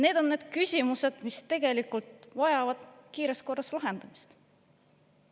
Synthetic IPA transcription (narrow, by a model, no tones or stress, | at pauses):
ne̞ːd̪̥o̞nːe̞ːd̪̥kysʲimuse̞d̪̥mist̪e̞ɡ̥e̞likˑult̪vɑjɑvɑd̪̥kiːɾesko̞rːɑslɑɦe̞nd̪̥ɑmist̪